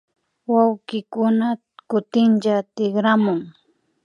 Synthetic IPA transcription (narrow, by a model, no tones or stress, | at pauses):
wawkɪkʊna | kʊt̪ɪnt͡ʃat̪ɪχɾamʊŋ